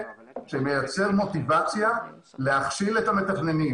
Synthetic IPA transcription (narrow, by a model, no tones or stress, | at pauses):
ʃeme̞jat͡se̞ʁmo̞tivat͡sja | leaχʃiletame̞t̪aχne̞ni